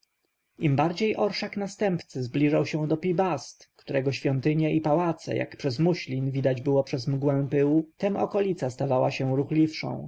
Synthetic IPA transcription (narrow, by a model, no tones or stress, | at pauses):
imbaɾd͡ʑejʔɔɾʂaknast̪ɛmpt̪sɘzblʲiʐawɕɛ̃w̃d̪ɔpʲibast̪kt̪uɾɛɡɔɕfʲjɔnt̪ɘɲɛʔipawat̪sɛ̰jʔa̰kpʂɛzmuɕlʲinvʲid̪ad͡ʑbɘwɔpʂɛzmɡwɛ̃w̃pɘwut̪ɛmɔ̰kɔlʲit̪sast̪avawaɕɛ̃ɾuxlʲifʂɔ̰̃w̃